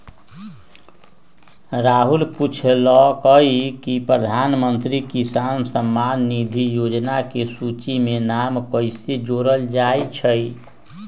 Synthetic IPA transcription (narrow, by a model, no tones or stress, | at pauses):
ɾaɦulput͡ʃʰlɔkəɦikipɾəd̪ʱanmənt̪ɾikisansəmːanːid̪ʱijod͡ʒnakesut͡ʃimenamkəɪsed͡ʒoɾəld͡ʒajt͡ʃʰəj